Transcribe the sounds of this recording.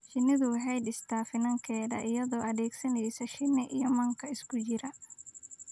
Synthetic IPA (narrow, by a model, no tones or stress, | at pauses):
ʃɪnɪðʊwɦɛjd̪ɪst̪ʰaːfɪnɐŋkʰɛːðɐ̰ʔɪjɐðɔːʔɐðɛːɡsɐnɛjsɐʃɪnɛʔijɔmɐŋkʰɐɪskʰʊt͡ʃɪɾɐ